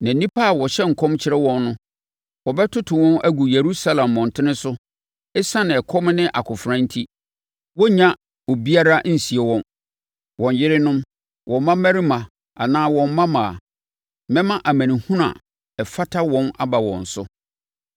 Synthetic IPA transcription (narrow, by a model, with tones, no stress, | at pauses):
nã˨nĩ˦pʰa˦a˨wɔ˨ɕɛ˦ŋ̩˨kʰɔ̃˦mt͡ɕʰɪ˦ɾɛ˦wɔ̃˦nːʊ̃˦ | wɔ˨bɛ˦tʰʊ˦tʰʊ˨wɔ̃˦næ˦ɡu˨je˨ɾu˦sa˦lã˨mːɔ̃˨n˨tʰɪ˦nɪ̃˦sʊ˦ | ɛ˦sã˦nɪ̃˨ɛ˨kʰɔ˦m˦nɪ̃˦ʔa˨kʰʊ˨fɾã˦n̩˦tʰi˦ | wɔ˦ɲã˦ | ɔ˨bi˦a˦ɾa˦n̩˨si˨ɛ˨wɔ̃˦n | wɔ̃˨ɲ˨jɪ˦ɾɪ˦nʊ̃˦m | wɔ̃˨˦mã˦mɛ˦ɾi˦mã˨ | a˨nãː˦wɔ̃˨m˦mã˦mã˨a̰˨ | mɛ̃˦mã˦ʔa˨mæ̃˨nĩ˨hũ˦nã̰˨ | ɛ˨fa˦tʰa˦wɔ̃˦na˦ba˨wɔ̰̃˨n̩˨sʊ˦